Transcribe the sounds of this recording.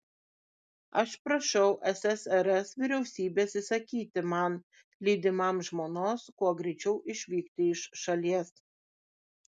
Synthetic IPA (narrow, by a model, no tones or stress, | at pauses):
ɐʃpɾɐʃʲɛʊʔɛsʲɛsɛɾɛsʋʲɪɾʲɛʊsʲiːbʲeːsɪsɐkʲiːt̪ʲɪmɐn | lʲiːd̪ʲɪmɐmʒmoːnoːskuɔɡɾʲɛɪt͡ʃʲɛʊʔɪʃʲʋʲiːkt̪ʲɪɪʃʃɐlʲiɛs